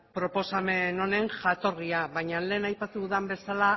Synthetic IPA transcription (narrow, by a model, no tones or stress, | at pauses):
pɾo̞po̞same̞no̞ne̞ŋʝat̪o̞ɾriaβajɲanle̞ːnajpat̪uuðambe̞sala